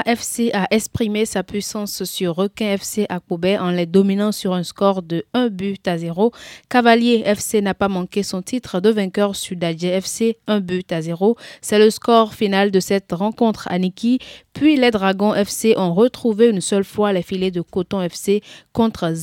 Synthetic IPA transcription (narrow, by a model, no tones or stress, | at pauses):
ʔɛfseʔaʔɛkspχimesapɥisɑ̃sːyʁːɔkɛ̃ɛfseʔakubɛʔɑ̃lɛd̪ɔminɑ̃syʁɛ̃skɔʁd̪əɛ̃byt̪azeʁokavaljeɛfsenapamɑ̃kesɔ̃t̪it̪χd̪əvɛ̃kœʁsyd̪aʒeɛfseɛ̃byt̪azeʁosɛləskɔʁfinald̪əsɛt̪ʁɑ̃kɔ̃t̪χa̰nikʲipɥilɛd̪ʁaɡɔ̃ʔɛfseʔɔ̃ʁət̪χuveynsœlfwalɛfiled̪əkot̪ɔ̃ɛfsekɔ̃t̪χ